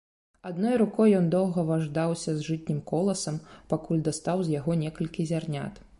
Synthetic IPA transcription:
ad̪nɔjɾukɔjːɔnd̪ɔwɣɐvaʐd̪awsʲɐzʐɨt̪ʲnʲimkɔlˠɐsɐmpakulʲd̪ast̪awzʲjaɣɔnʲɛkɐlʲkʲizʲarnʲa̰t̪

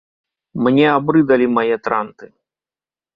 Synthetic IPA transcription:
mnʲɛabɾɨd̪ɐlʲimajɛt̪ɾant̪ɨ

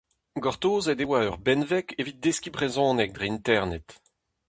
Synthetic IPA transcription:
ɡɔʁt̪oːzɛdewaœʁbɛnvɛkevit̪̚d̪eskʲibʁezɔ̃ːnɛk̚d̪ʁeint̪ɛʁnɛt̪

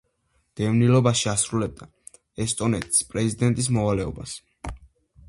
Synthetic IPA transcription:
d̪̥ɛvnilɔbaʃiasɾulɛb̚d̪a | ɛst̪ʼɔnɛt̪ʰʼspʼɾɛzid̪ɛnt̪ʼis̬mɔvalɛɔbas

